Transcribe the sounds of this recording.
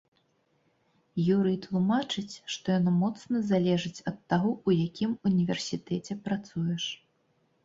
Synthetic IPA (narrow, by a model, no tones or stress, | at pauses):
juɾɨt̪lˠumat͡ʂɨt͡sʲʂt̪ɔjanamɔt̪snɐzalʲɛʐɨt͡sʲɐt̪ːaɣɔujakʲʰimunʲivʲɛrsʲit̪ɛt͡sʲɛpɾat̪sujɛʂ